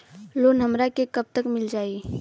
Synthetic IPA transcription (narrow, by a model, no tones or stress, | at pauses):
loːnɦəmɾakekəb̚t̪əkmɪld͡ʒaːi